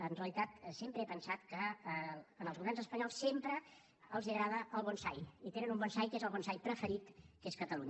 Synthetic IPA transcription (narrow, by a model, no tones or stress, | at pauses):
ənreəlˠit̪at̪sempɾəepənsat̪kəː | nəlˠzuβɛrnzəspəɲɔlˠsːempɾəː | lˠziəɣɾað̞əʔəlˠβɔnsajit̪enənumbɔnsajkezəlˠβɔnsajpɾəfəɾit̪keskət̪əluɲə